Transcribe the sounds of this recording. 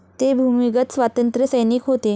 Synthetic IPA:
t̪ebʱumiɡət̪sʋat̪ənt̪ɾjəsəjnikɦot̪e

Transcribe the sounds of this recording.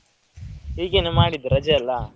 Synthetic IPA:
hiːɡenemaːɽid̪uɾɐd͡ʒɐɐlːɐ

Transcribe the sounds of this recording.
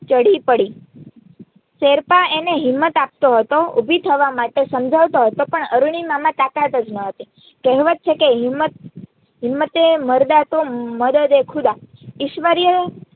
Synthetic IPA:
t͡ʃəɽipəɽi | seɾpaeneɦɪmːət̪ap̚t̪oɦət̪oubʱit̪ʰəʋamaʈesəmd͡ʒʱaʋt̪oɦət̪opəɳəɾuɳ̃imamãt̪akat̪əd͡ʒnəɦət̪i | kɛɦʋət̪̚t͡ʃʰekeɦɪmət̪̚ | ɦɪmːət̪eməɾd̪at̪oməd̪əd̪ekʰud̪aɪʃʋəɾjə

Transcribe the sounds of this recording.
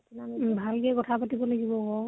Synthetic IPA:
bʱalkɛkɔtʰapatibɔlaɡibɔɡɔ

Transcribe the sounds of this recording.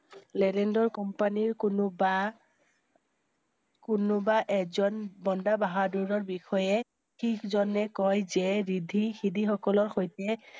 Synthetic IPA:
lɛdɛndɔɹkɔmpaniɹkba | kʊnʊbaʔɛkzɔnbɔndabaɦaduɹɔɹbixɔjɛ | xikʰzɔnɛkɔjzɛɹidʱixidʱixɔkɔlɔɹxojtɛ

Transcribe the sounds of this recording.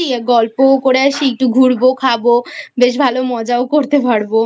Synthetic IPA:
ieɡɔlpokoɽeaʃiek̚ʈuɡʱuɽbokʰabobeʃ̬bʱalomɔd͡ʑaokoɾt̪epaɽbo

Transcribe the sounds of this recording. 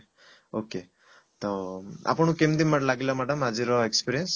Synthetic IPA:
oke | t̪oa̰pəɳukemd̪imːəʈlaɡilamaɖəmad͡ziɾɔekspiɾijəns

